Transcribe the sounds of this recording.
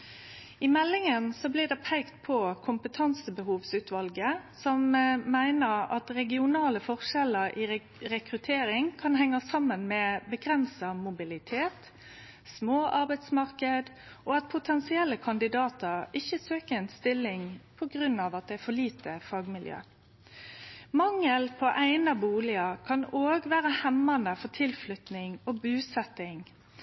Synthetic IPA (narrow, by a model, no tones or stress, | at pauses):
ɪmɛlːɪŋənsɔblɪd̪ɛpʰæɪkt̪̚pʰɔkʰʊmpət̪ʰɑnsəbəhuːʋsʉːt̪ʰʋɑlɡəsɔmmæɪnəɾɑt̪ɾɛɡɪʊnɑːləfɔʁʃɛləɾʔi | ɾɛkɾʉt̪ʰeːɾɪŋkʰɑnhɛŋːɑsɑmːənmɛbəɡɾɛnsɑmʊbɪlɪt̪ʰeːt̪ | smoːʔɑɾbæɪt̪smɑʁkəd̪ | ʔɔɑt̪̚pʰʊt̪ʰɛnsɪɛlːəkʰɑnd̪ɪd̪ɑːt̪əɾɪçːəsøːkəɛnst̪ɪlːɪŋpʰɔɡɾʉnːɑːʋɑt̪̚d̪ɛæɾfɔɭiːt̪əfɑːɡmɪljø̰ː | mɑŋːəlpʰɔʔæɪnɑbuːlɪɑkʰɑnoːɡʋæːʁəhɛmːɑnəfɔt̪ʰɪlflʏt̪nɪŋɔbʉːsɛt̪ɪŋ